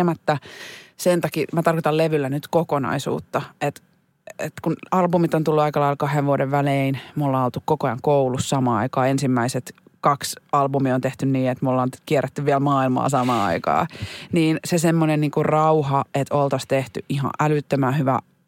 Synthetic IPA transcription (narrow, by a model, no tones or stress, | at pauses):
emæt̪ːæsent̪ɑkimæt̪ɑrkot̪ɑlleʋylːænyt̪kokonɑ̰isṵːt̪ːɑet̪ | et̪kunɑlbumit̪ont̪ulːuɑikɑlɑilkɑheʋʋuodeʋʋæleinmolːɑːnolt̪ukkokojɑŋkoulussɑmɑːɑ̰ikɑːensimːæiset̪kɑksɑlbumiont̪eht̪ynniːet̪molːɑːnkiɛrːet̪ːyʋʋiælmɑːilmɑ̰ːsɑmɑːɑ̰ikɑ̰ːniːnsesemːonenniːŋkurrɑuhɑet̪olt̪ɑst̪eht̪yʔʔihɑ̰̃ʔælyt̪ːømæhyʋæ̰